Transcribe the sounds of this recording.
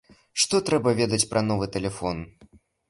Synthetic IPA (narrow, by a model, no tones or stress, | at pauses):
ʂt̪ɔt̪ɾɛbɐvʲed̪ɐt͡sʲpɾʔɐn̪ɔvɨt̪ɛlʲɛfɔn